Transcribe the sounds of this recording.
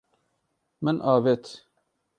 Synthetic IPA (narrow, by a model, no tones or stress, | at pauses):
mɨnʔɑːvet̪